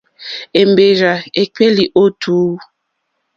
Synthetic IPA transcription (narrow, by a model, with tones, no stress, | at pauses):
e˨mbe˨ɾa˨e˨k͡pe˦li˨ʔo˦tʰuː˨˦